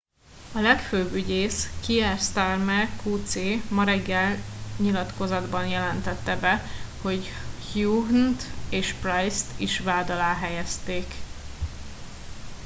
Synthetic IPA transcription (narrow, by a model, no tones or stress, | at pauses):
ɒlɛkføːbyɟeːskiɛrst̪armɛkuːt̪seːmɒɾɛɡːɛlɲilɒt̪ko̞zɒd̪bɒnjɛlɛnt̪ɛt̪ːɛbɛho̞ɟhjuɦnt̪eːʃprajst̪iʃʋaːd̪ɒlaːɦɛjɛst̪eːk